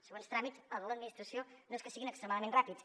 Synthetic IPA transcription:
səɣonst̪ɾamitsəðəlˠəd̪minist̪ɾəsionoeskəsiɣinəkst̪ɾəmaðəmenrapit͡s

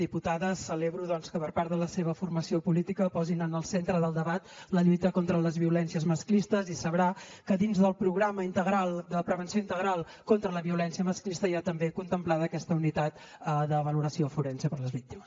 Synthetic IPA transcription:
d̪iput̪aðəsəleβɾuðɔnskəpəɾpaɾðələseβəfurməsiopulit̪ikəpɔzinənəlˠsent̪ɾəðəlˠd̪əβat̪ləʎujt̪əkont̪ɾələzβiulɛnsiəzməsklist̪əzisəβɾakəðinzðəlˠpɾuɣɾaməint̪əɣɾalˠd̪əpɾəβ̞ənsioint̪əɣɾalˠ | kont̪ɾələβiulɛnsiəməsklist̪əiat̪əmbekunt̪əmplaðəːkɛst̪əunit̪at̪ | əðəβəluɾəsiofuɾɛnsepəɾləzβik̚t̪iməs

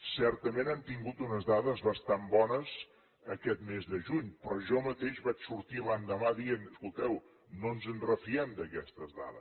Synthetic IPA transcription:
sɛɾt̪əmenant̪iŋɡut̪unəzðaðəzβəst̪ambɔnəz | əkɛt̪mezðəʒuɲpɾɔʒɔmət̪eʒβat͡ʃsuɾt̪iland̪əmaðienəskulˠt̪ɛw | nonzənrəfiɛmd̪əkɛst̪əzða̰ðə̰s

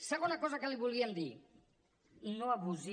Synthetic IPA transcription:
səɣonakɔzəkəliβulˠɣiəmd̪i | noaβuzi

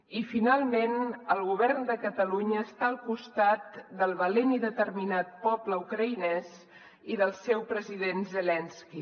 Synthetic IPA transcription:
ifinalˠmenəlˠɣ̞uβɛrnd̪əkət̪əluɲəːst̪aəlˠkust̪at̪d̪əlˠβəleniðət̪ərminat̪̚pɔpləukɾəinɛs | iðəlˠsɛwpɾəziðenzəlɛnski

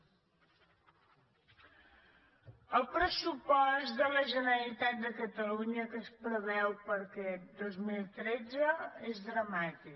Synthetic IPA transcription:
əlˠpɾəsupɔzt̪d̪ələʒənəlit̪at̪̚d̪əkət̪əluɲəkəspɾəβɛwpəɾkɛd̪ozmilˠt̪ɾɛd͡zəezðɾəmat̪i

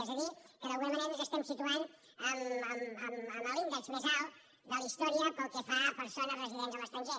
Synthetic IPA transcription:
ɛzəðikəðəlɣunəməneɾəzəst̪ɛmsit̪uan | əməməməməlind̪əkspəzalˠ | d̪əlist̪ɔɾiəpəlˠkəfapəɾsonərəziðɛnzələst̪ɾəɲʒɛ

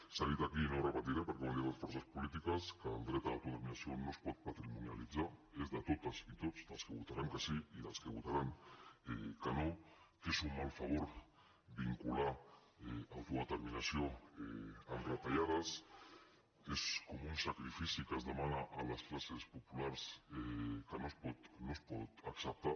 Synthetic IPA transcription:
saðit̪akinoɾapat̪iðapəɾkwaniaðsfɔɾsaspulit̪̬ikaskaːlˠd̪ɾɛt̪aawt̪ut̪eɾminasionospɔt̪̚pat̪ɾimunja̰lidd͡zaezðat̪ot̪asit̪ozd̪alˠskeβ̞ut̪aɾaŋkasiiðalskeβut̪aɾaŋḛkanokesumːalfaβuɾ | biŋkula | eawt̪oet̪eɾminasjoeanret̪aʎaðas | eskomunsakɾifisikazðemanaʔalasklasespopulaɾsekanospot̪nospot̪aksap̚t̪a

